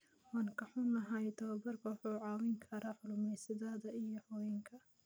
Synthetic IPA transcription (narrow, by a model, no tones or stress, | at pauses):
wɑːŋkʰɐħʊnɐɦɐjt̪ʰɐwɐbɐrkʰɔːħʊʕɑːwɪŋkʰɐɾaːħʊlʊmɛjsɪðaːðɐʔijɔhɔɛŋkʰɐ